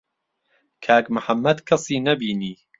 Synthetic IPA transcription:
kʰaːkmʊħɐmːɐd̪kʰɐsiːnɐbiːniː

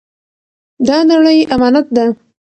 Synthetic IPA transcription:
d̪ɑnaɽəjamɑnat̪̚d̪a

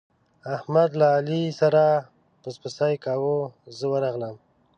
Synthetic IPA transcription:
ahmad̪laːlisaɾa | pəspəsajkawozəwəɾaɣləm

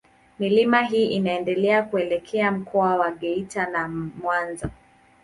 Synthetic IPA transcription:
milimaɦiːʔinaɛndɛlɛakuɛlɛkʰɛam̩kʰɔawaɠɛitanamwanza

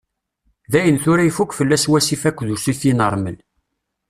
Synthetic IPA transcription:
ðæjənθʊɾæifukʷːfəlːæswæsifækʷːðusiθinəɾˤməl

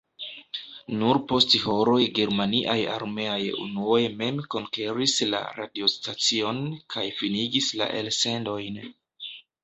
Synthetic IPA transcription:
nuɾpo̞stho̞ɾo̞jɡe̞ɾmaniʔaja̰ɾme̞ajṵnuo̞jme̞mko̞ŋke̞ɾisla̰ɾa̰dio̞stat͡sio̞nkʰajfiniɡisla̰ʔe̞lse̞ndo̞jn

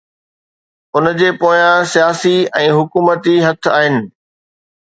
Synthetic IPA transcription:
ʊnd͡ʑeːpoːjãsijaːsiɛ̃ːɦʊkuːmət̪iɦɐt̪ʰaːɦɪnɪ̆

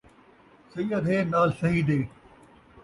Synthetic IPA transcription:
sɐiːɐd̪ʱeːnaːlsɐɦid̪eː

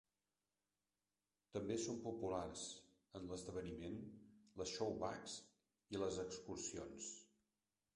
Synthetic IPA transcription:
t̪əmbesompupularz | ənləzðəβənimenləsʃowβaks | iləzəkskursio̰ns

